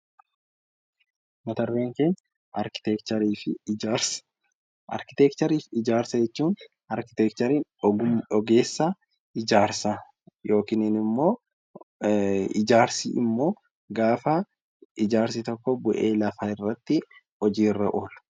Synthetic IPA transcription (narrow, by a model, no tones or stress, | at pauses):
mɐt̪ɐrːeːŋkeːn | ɐɾkɪ̥t̪ɛkt̪ɐɾiːfɪaɾs | ʔɐ̰ɾkɪ̥t̪ɛkt̪ɐɾiːfɪd͡ʒaːɾsɐd͡ʒɛt͡ʃːuːn | ɐɾkɪ̥t̪ɛk̚t̪ɐɾiːnɔɡʊɔɡe̞ːsːɐ | ʔɪd͡ʒaːɾsɐ | jo̞ːkinɪnɪmːo̞ː | ɪd͡ʒaːɾsḭʔɪ̰mːo̞ː | ɡaːfɐ | ʔɪd͡ʒaːɾsɪt̪ɔkːɔbʊʔe̞̰ːlɐfaːɪrːɐt̪ːɪ | ɔd͡ʒiːrːɐʔoːl